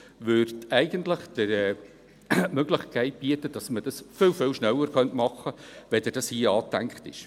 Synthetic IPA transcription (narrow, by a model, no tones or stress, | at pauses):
ʋʏrtɛɪɡ̥əntləχd̥əɾɛ | mœɡ̥lɪχkʰɛɪt̚b̥iətəd̥ɑsməd̥ɑsfɪlfɪlʃnɛlːəɾkœntmɑχəʋɛdɛdɑshiːɑːt̪æŋkχtɪ̰ʃ